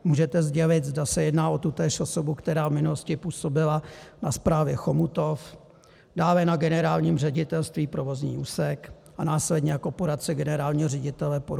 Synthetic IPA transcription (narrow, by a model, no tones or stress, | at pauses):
muːʒɛt̪ɛzɟɛlɪt̪zdasɛjɛdnaːʔo̞t̪ut̪ɛːʃoso̞bukt̪ɛɾaːvmɪnuloscɪpuːso̞bɪlanaspɾaːvjɛxo̞mut̪o̞f | daːlɛnaɡɛnɛɾaːlɲiːmrɛɟɪt̪ɛlst̪viːpɾo̞vo̞zɲḭːʔuːsɛk | ʔanaːslɛdɲɛjakopoɾat̪t͡sɛɡɛnɛɾaːlɲiːɦorɛɟɪt̪ɛlɛpo